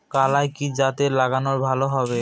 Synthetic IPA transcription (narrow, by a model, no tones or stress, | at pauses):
kalajkid͡ʑat̪elaɡanoɾbʱaloɦɔbe